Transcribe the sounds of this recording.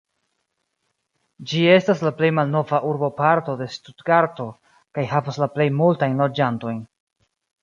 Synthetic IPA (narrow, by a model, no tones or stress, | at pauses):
d͡ʒie̞staslaple̞jmalno̞vaʔuɾbo̞paɾto̞de̞studɡaɾto̞ | kajhavaslaple̞jmultajnlo̞d͡ʒanto̞jn